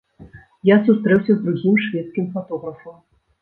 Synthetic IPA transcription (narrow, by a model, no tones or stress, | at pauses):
jasust̪ɾɛwsʲɐzd̪ɾuɣʲimʂvʲɛt̪skʲimfat̪ɔɣɾɐfɐm